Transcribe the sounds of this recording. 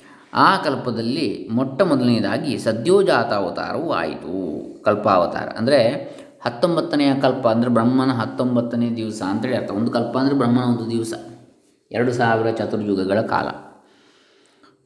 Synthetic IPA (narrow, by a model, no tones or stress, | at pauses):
aːkɐlpɐd̪ɐlːimɔʈːɐmɔd̪ɐlid̪aːɡisɐd̪jɔːd͡ʒaːt̪aːʋɐt̪a̰ːɾɐʋua̰ːjḭt̪ṵkɐlpaːʋɐt̪a̰ːɾɐ̰ʔɐ̰nd̪ɐɾe | hɐt̪ːombɐt̪ːɐnɛjɐkɐlpɐːnd̪ɐɾebɾɐmːɐnɐɦɐt̪ːombɐt̪ːɐneːjɐd̪iʋsɐːnt̪ɐeːɭiɐɾt̪ʰɐond̪ukɐlpɐɐnd̪ɐɾebɾɐmːɐnɐond̪ud̪iʋsɐ | ɛɾɐɽusaːʋiɾɐt͡ʃɐt̪uɾjuɡɐɡɐɭɐka̰ːlɐ̰